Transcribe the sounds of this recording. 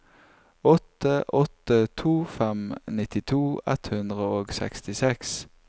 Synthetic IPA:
ɔt̪əʔɔt̪ət̪ʰuːfɛmnɪt̪ɪt̪ʰuːɛ̰t̪hʉnd̪ʁəoːɡsɛ̰kst̪ɪsɛks

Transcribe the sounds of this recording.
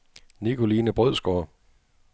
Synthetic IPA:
nikʰo̝liːnəb̥ʁœðˠsɡ̥ɒː

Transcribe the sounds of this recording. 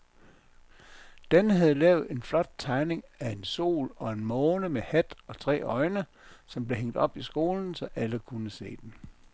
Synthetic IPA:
d̥enəɦæð̞ˠlɛ̰ːʊð̩ˠe̝nflɒ̽d̥̚t͡sʰɑ̈ɪne̝ŋæe̝nso̝̰ːlɒ̽e̝nmɔ̽ːnəmehæd̥ɒ̽t͡sʰʁɛ̰ːɒ̽ɪnə | sɒ̽mb̥le̝ɦeŋ̰d̥ɒ̽b̥isɡ̥o̝ːln̩sɒ̽ʔæləkʰunəse̝̰ːd̥en

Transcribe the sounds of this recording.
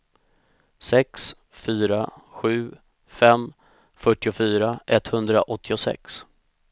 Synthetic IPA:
sɛks | fyːɾaɧʉ̟ː | fɛm | fœʈːɪʊfyːɾaʔɛt̪ːhɵnd̪ɾa̰ʔɔt̪ʰːɪʊsɛ̰ks

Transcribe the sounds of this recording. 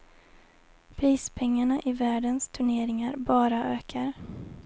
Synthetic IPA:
pʰɾiːspʰɛŋːaɳaʔɪvæːɖənst̪ʰɵɳeːɾɪŋaɾbɑːɾaʔøːkʰaɾ

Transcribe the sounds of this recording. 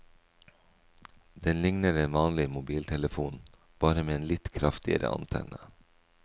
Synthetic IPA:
d̪ɛnlɪŋnəɾeːnʋɑːnlɪmʊbiːlt̪ʰɛləfuːn | b̥ɑːɾəmeːeːnlɪt̪kʰɾɑft̪ɪə̰ɾʔə̰ʔɑ̰nt̪ʰɛ̰nə

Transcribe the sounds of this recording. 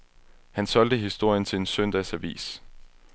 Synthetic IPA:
hænsɒ̽l̰d̥əɦisd̥o̝ɐ̰jənt͡sʰe̝le̝nsœn̰d̥ɛsæʋḭːs

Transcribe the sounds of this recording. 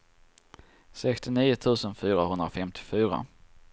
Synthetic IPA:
sɛkst̪ɪniːʊt̪ʰʉ̟ːsənfyːɾahɵnd̪ɾafɛmt̪ʰɪ̥fyːɾa̰

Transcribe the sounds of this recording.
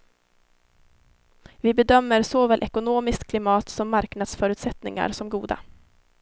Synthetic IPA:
vɪbɛd̪œmːəɾsoːvɛːlʔɛkʊnoːmɪskt̪kʰlɪmɑːt̪sɔmːaɾknad̪sfœːɾʉ̟ːt̪sɛt̪nɪ̰ŋa̰ɾsɔmɡṵːd̪a̰

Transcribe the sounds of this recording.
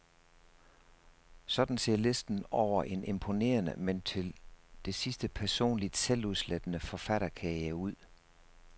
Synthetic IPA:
sɒ̽d̥n̩se̝̰ɐ̰le̝sd̥n̩ɒʊ̰ɐʔe̝ne̝mpʰo̝ne̝̰ːɐnə̰ment͡sʰe̝ld̥e̝sisd̥əpʰæɐso̝̰ːnlid̥seluðˠsled̥ənəfɒ̽fæɾ̥ɐkʰæjəuð̞̰ˠ

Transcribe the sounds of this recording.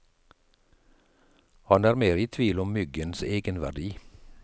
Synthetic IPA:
hɑnæːɾmeːɾiːt̪ʰʋiːlɔmːʏɡənseːɡənʋæ̰ɖiː

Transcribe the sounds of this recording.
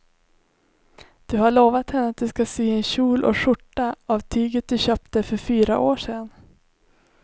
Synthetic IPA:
d̪̥ɵhaɭoːvat̪hɛnːəat̪̚d̪ɵskasiːɛnɕuːlʔɔ̰ʂʊʈːaavt̪ʰyːɡət̪̚d̪ɵɕœːp̚t̪əfœɾfyːɾaʔoːʂɛn

